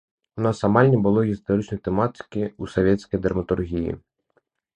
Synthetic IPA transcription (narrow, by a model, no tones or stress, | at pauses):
unɑsɐmɑlʲnʲibʊlˠɔɦʲist̪ɔɾɪt͡ʃnɔjt̪emɑt̪ɪ̥kɪusɔʋʲjɛt̪ʲsʲkɔjd̪ɐrmɐt̪urɦʲijḭ